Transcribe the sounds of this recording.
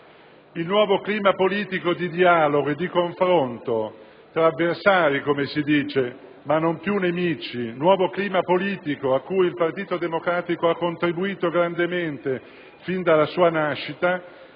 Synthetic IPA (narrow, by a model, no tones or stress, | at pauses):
ilnwɔːvokliːmapoliːt̪ikod̪id̪iaːloɡoed̪ːikoɱfɾont̪o | t̪ɾaːvːersaːɾikomesid̪iːt͡ʃe | manːompjunemiːt͡ʃinwɔːvokliːmapoliːt̪ikoakːujilpart̪iːt̪od̪emokɾaːt̪ikoakːont̪ɾibuiːt̪oɡɾand̪ement̪e | find̪alasuːanaʃːit̪a